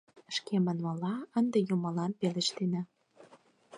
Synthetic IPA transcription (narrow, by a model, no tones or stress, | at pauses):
ʃkemə̆nmɤlɑənd̪ĕjumɤ̆lɑnpelĕʃt̪enɑ